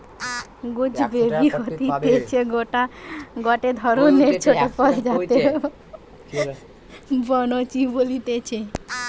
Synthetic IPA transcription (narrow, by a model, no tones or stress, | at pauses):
ɡud͡ʒbebiɦot̪it̪et͡ʃʰeɡoʈaɡɔʈed̪ʱɔɾoneɾt͡ʃʰoʈopɔɾd͡ʒat̪e | bɔnot͡ʃibolit̪et͡ʃʰe